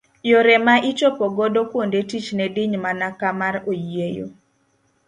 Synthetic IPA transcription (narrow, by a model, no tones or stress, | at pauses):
joɾɛmaʔɪt͡ʃɔpɔɡɔdɔkwondetit͡ʃnɛdɪɲmanakamaɾojjejo̰